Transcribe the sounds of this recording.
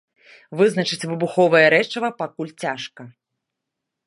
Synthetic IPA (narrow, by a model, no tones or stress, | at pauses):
vɨznɐt͡ʂɨt͡sʲvɨbuxɔvɐjɐɾɛt͡ʂɐvɐpakulʲt͡sʲaʂkɐ